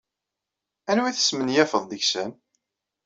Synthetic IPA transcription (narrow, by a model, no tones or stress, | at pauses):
ænwiθə̥smənjæfəðˤd̪əʝsən